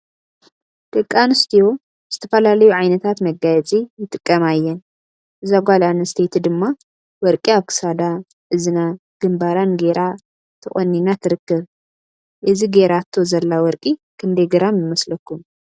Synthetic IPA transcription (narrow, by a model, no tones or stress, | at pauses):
t̪ʼɨkʼːanɨst̪ʰijo̞ | z̥ɨt̪ʰɐfɐlalɐjuʕajnɐt̪ʰat̪mɐɡajɛt͡sʼijɪt̪ʼɨkʼːɐmajːɛn | ʔɨzaɡʷalanɨst̪ʰet̪ʰd̪ɨmːa | wɔɾkʼiaβkʰɨ̥sad̪a | ʔɨzɨna | ɡ̥ɨmbaɾanɡe̞ɾʔa | t̪ʰɨχʼonːinat̪ʰɨɾɨkːɨβ | ʔɨziɡeɾat̪ʰːo̞zɐlːawɔɾkʼikʰɨnd̪ɐjɡɐɾamjɪmɐslɐkːum